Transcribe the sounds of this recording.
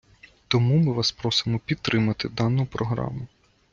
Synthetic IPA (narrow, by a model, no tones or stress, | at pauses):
t̪ɔmumɪʋɑspɾɔsɪmɔpʲid̪̚t̪ɾɪmɐt̪ɪd̪ɑnʊpɾɔɦɾɑ̰mʊ